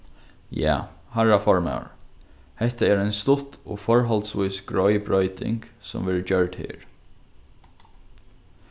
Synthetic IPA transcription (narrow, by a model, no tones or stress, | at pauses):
ja̰ː | haɹafɔɹma̰wɹ | hɛht̪aɛɾɛnst̪ʊt̪ɔ̰fɔɹɦɔlt̪sʋujsɡɹɔjbɹɔʏt̪ɪ̰ŋksʊ̰mʋɛɹd͡ʒœɹt̪hɪ̰ːɹ